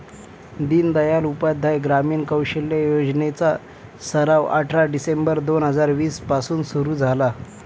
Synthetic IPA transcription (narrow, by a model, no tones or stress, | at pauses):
d̪iːnd̪əjalupad̪ʱːajɡɾamiːnkəwɕeljejod͡znet͡sa | səɾaʋa̰ʈʰɾaɖisembəɾd̪onɦəd͡zaɾʋiːspasuːnsuɾuːd͡zʱala